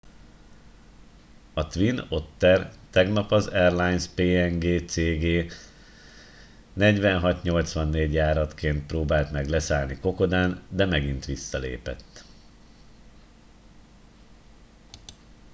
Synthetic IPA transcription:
ɒt̪ʋino̞t̪ːɛrt̪ɛɡnɒpɒzɛrlajnspeːɛŋɡeːt̪seːɡeː | nɛɟʋɛnɦɒt̪ɲo̞lt̪sʋɒnːeːɟjaːɾɒt̪keːnt̪̚proːbaːlt̪mɛɡlɛsaːlniko̞ko̞d̪aːnd̪ɛmɛɡint̪ʋisːɒlḛːpɛ̰t̪ː

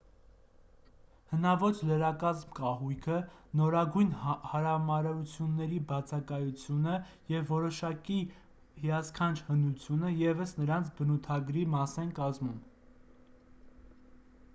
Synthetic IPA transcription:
hənɑvɔt͡ʃləɾɑkɑzmkɑɦujkʰənɔɾɑɡujnhɑɾɑmɑɾɑɾut͡sʰjunːɛɾibɑt͡sʰɑkɑjut͡sʰjunə | jɛvːɔɾɔʃɑki | hijɑskʰɑnt͡ʃʰhənut͡sʰjunəjɛvəsnəɾɑnt͡sʰbənut̪ʰɑɡɾimɑsɛnkɑzmum

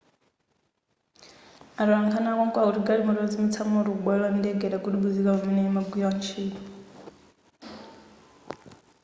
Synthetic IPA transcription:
aɾiwaŋkʰanakɔŋkɔakutiɡaɺimɔɾɔd͡zimit͡sʰamɔɾukuɓwɛlɔandɛɡɛɗaɡuɗuɡud͡zikakamɛnɛimaɡwiant͡ʃʰiːn

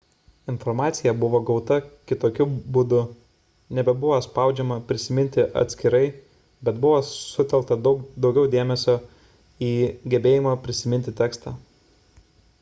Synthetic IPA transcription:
ɪnfɔɾmɑːt̪sʲɪjɛbʊʋoːɡɒʊt̪ɐkʲɪt̪oːkʲʊbʊd̪ʊ | nʲɛbʲɛbʊʋospɑˑʊd͡ʒʲɛmɐpʲɾʲɪsʲɪmʲɪnʲt̪ʲɪʔɐ̰t̪ʲsʲkʲɪɾɐɪ | bʲɛt̪bʊʋoːsʊt̪ʲɛlˠk̚t̪ɐd̪ʊkd̪ɒʊɡʲɛʊd̪ʲeːmʲɛsʲoː | iːɡʲɛbʲeːjɪmɐpʲɾʲɪsʲɪmʲɪnʲt̪ʲɪt̪ʲɛːkst̪ɑː

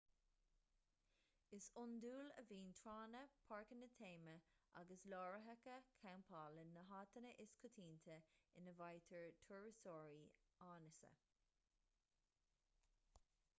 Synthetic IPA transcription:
ɪsʊnd̪uːləviːnt̪ʰɾaːnəpʰaɹkənət̪ʰeːməʔa̰ɡəslɔːɹəɦəkəkʰampʰaːlənːəɦaːt̪ənəʔɪskʰʊt̪ʰiːnt̪ʰəɪnəvajt̪ʰəɹt̪ʰʊɹɪsɔːɹiaːnəsə̰

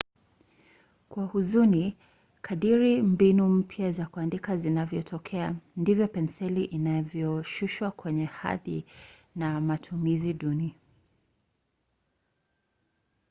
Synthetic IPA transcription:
kwahuzuni | kʰaɗiɾimbinum̩pʰjazakuandikazinavjɔtʰɔkʰɛandivjɔpɛnsɛliʔinavjɔʃuʃwakwɛɲɛha̰ðinamatʰumiziɗuni

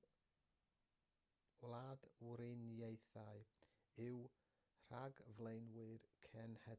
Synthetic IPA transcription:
wlaːdwɾɪnjejθaɨ | ɪw | r̥aɡvlejnwɨrkʰɛnhɛ

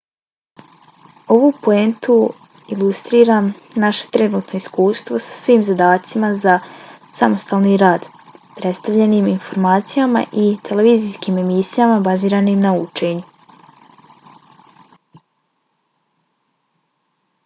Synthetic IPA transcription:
o̞ʋupo̞ent̪u | ilˠust̪ɾiːɾaːmnaʃe̞̥t̪ɾe̞nuːt̪no̞iskuːst̪ʋo̞sḁsʋiːmzad̪aːt̪simazasamo̞st̪aːlˠniɾaːd̪ | pɾe̞t̪st̪aʋʎe̞niminfo̞ɾmaːt̪sijama̰ʔit̪ʰe̞le̞ʋiːzijskiːme̞misijamabaziːɾanimnaut͡ʃe̞ːɲu

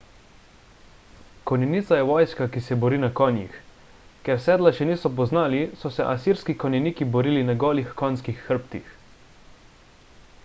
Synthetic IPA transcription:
kɔnɛnit̪sajɛʋɔːjskakisɛbɔɾiːnakɔːnjḭx | kɛɾsɛːd̪laʃɛniːsɔpɔznaːlisɔsɛʔasiːɾskikɔnʲɛniːkibɔɾiːlinaɡɔːlixkɔnskixːəɾpt̪ḭx

